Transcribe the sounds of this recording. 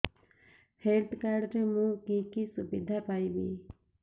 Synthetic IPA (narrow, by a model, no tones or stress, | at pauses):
heːlt̪ʰkaɾɾemũːkĩːkisʊbid̪ʱapaːibiː